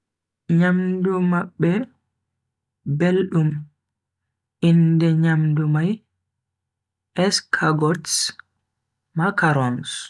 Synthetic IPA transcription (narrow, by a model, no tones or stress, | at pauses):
ɲamdumaɓːɛ | belɗum | ʔindɛɲamdumaj | ʔɛskʰaɡɔts | makaɾɔns